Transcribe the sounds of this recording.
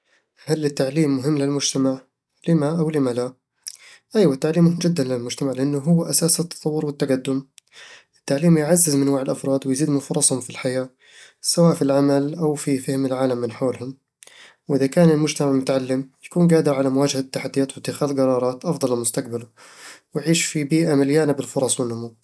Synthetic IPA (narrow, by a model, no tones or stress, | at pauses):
halːɪt̪ːaʕliːmːʊɦɪmːlɪlmʊd͡ʒt̪amaʕ | lɪmaʔawlɪmala | ʔajwat̪ːaʕliːmːʊɦɪmd͡ʒɪd̪ːanlɪlmʊd͡ʒt̪amaʕlɪʔanːʊɦʊwːʔasaːsɪt̪ːɑ̥t̪ˤɑwːʊɾwɪt̪ːaqad̪ːʊm | ʔɪt̪ːaʕliːmjʕazːɪzmɪnwaːʕɪlʔɑfɾˤɑːd̪wɪjziːd̪mɪnfʊɾˤɑsˤhʊmfilħajaː | sawaːʔfilʕamalʔawfifɪhmɪlʕaːlamːɪnħoːlhʊm | wʔɪðakaːnɪlmʊd͡ʒt̪amaʕmʊt̪aʕalːɪmjakuːnɡaːd̪ɪɾʕalamʊwaːd͡ʒhat̪ːaħad̪ːijaːt̪wɪt̪ːɪxaːðqɑɾˤɑːɾˤɑːt̪ʔɑfd̪ˤɑlɪlmʊst̪aq̚balʊ | wɪjʕiːʃfibiːʔamaljaːnabɪlfʊɾˤɑsˤwɪnːʊmu